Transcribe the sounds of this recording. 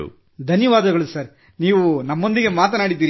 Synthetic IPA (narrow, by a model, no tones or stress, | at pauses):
ṵ | d̪ʱɐnjɐʋaːd̪ɐɡɐɭusɐɾ | niːʋunɐmːond̪iɡe̞maːt̪ɐnaːɽid̪ːiːɾi